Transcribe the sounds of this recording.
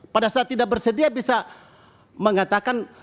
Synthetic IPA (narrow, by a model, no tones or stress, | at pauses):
padasaːt̪ːidak̚bərsədiabisa | məŋat̪akan